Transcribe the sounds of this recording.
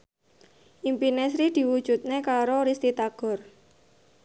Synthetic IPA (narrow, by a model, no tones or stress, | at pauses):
ʔimpinesɾid̪̥i̤wud̥ʒ̥ṳt̪̚nekaɾoɾist̪it̪aɡ̥ɔ̤r